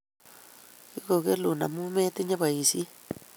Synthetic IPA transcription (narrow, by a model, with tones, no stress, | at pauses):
ki˦ko˧˨ɣe˦lu˨na̰˨mũ˦mẽ˦t̪e˦ɲã˦ba˨i˨si˦